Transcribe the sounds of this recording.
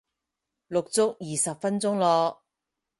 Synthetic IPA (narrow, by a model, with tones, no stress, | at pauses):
lʊ˨k̚t͡sʊ˥k̚jiː˨sɐ˨p̚fɐ˥nt͡sʊ˥ŋlɔː˧k̚